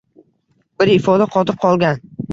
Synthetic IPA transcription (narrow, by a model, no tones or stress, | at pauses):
bɪɾɪfɒd̪aqʰɒt̪ʰɪɾ̚qʰɒlˠɡʲan